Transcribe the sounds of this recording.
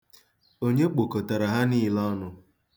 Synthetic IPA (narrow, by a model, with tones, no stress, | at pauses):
o˦ɲe˦k͡po˨ko˨ta˨ɾa˨ɦa˦ni˦˨lɔ˦nʊ˨